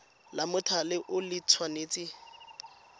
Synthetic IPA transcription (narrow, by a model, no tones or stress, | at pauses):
lamʊtʰalɪʔʊlɪt͡sʰwaneːt͡sɪ